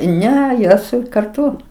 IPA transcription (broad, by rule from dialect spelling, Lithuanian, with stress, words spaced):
ˈnʲɛ joːs kɐrˈtʊ